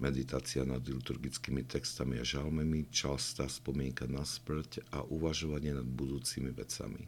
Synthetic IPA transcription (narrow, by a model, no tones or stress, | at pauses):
mɛd̪it̪aːt͡sianad̪lut̪uɾɡit͡skiːmit̪ɛkst̪amiaʒalmɛmit͡ʃalst̪aːspɔmɪɛŋkanaspl̩caʔuʋaʒɔʋaɲɪɛnad̪bud̪uːt͡simiʋɛ̰t͡sa̰mḭ